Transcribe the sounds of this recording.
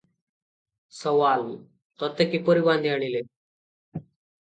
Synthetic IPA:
sɔʋal | t̪ɔt̪ekipəɾibãnd̪ʱijaɽ̃ile

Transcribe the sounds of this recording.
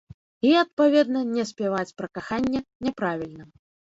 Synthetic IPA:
iɐt̪̚pavʲɛd̪nɐnʲɛsʲpʲɛvat͡sʲpɾɐkaxanʲːɛnʲɛpɾavʲilʲnɐ

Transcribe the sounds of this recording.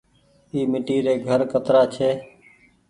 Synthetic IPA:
iːmɪʈiːɾeːɡʱəɾkət̪ɾaːt͡ʃʰeː

